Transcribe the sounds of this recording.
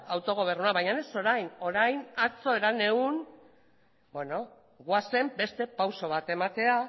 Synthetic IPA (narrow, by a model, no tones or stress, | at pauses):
awt̪o̞ɣ̞o̞β̞e̞rnuaβajɲaneso̞ɾajno̞ɾajnat͡so̞e̞ɾane̞un | bwe̞no̞ | ɣwase̞mbe̞st̪e̞pawso̞βat̪e̞mat̪e̞a